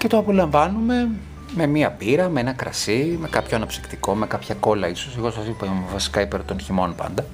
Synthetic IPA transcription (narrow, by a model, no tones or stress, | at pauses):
ce̞t̪oɐpo̞lɐɱvɐnume̞ | me̞miɐpiɾɐmeenɐkɾɐ̰sime̞kɐpçoɐnɐpsi̥kt̪iko̞mekɐpçɐko̞lɐiso̞seɣosɐsipvɐsi̥kɐipeɾot̪o̞nçimo̞npɐ̰nd̪ɐ